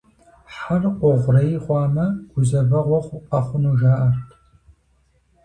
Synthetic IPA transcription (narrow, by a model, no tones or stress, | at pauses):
ħarqʷɔʁʷrɐjχʷɑːmɐɡ̥ʷʊzɐbɐʁʷɔχʷʊqɐχʷʊnuːʒaːʔɐrtʰ